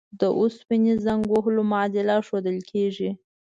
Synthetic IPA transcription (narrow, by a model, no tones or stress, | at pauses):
d̪əʔʊspinizaŋɡwoɦlomaɑd̪ɪlaʃod̪əlkʰeʐi